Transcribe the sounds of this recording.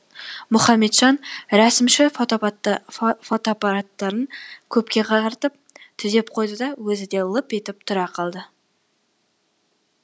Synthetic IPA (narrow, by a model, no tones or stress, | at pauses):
mʊχɑmːe̞t̪ʒ̥ɑnɾæsɪmʃɪfot̪o | fot̪oapɑɾɑt̪ːɑɾənkʲʰɵpkʲe̞qʰɑɑɾt̪əp̚t̪ʰʏze̞p̚qʰo̞jd̪əd̪ɑwɵzɪd̪e̞lˠəpet̪ɪp̚t̪ʰʊɾɑqʰɑlˠd̪ə